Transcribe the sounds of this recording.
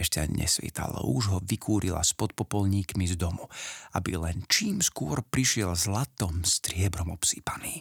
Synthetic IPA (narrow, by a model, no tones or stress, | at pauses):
ʃtaɲɲɛ̰sʋḭt̪a̰lɔ̰uʒɦɔʋikʰuːɾila̰spɔt̪̚pɔpɔlɲiːkmizd̪ɔmuabḭlɛnt͡ʃiːmskʊɔɾpɾiʃɪɛlzlat̪ɔmst̪ɾɪɛbɾɔmɔpsiːpaniː